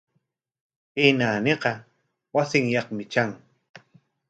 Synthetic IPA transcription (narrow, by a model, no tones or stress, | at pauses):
hɪnaːneqɑ | wasɪŋjɑχmɪt͡ʃaŋ